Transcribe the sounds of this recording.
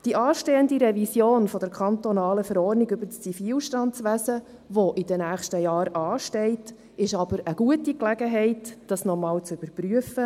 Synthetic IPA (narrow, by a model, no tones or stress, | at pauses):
d̥iʔɑːʃteːəndiɾɛvisjoːnfɔd̥əɾkʰɑnt̪ɔnɑːləfəɾɔːɾniɡɵbət͡st͡sifiːlʃtɑnst͡sʋæsə | ʋoʔidənæːχʃtəjɑːɾɑːʃtɛɪt | ɪʃɑb̥əɾəɡ̥uətiklæɡəɦɛɪtd̥ɑsnɔmɑːlt͡sʉb̥əɾpryəfə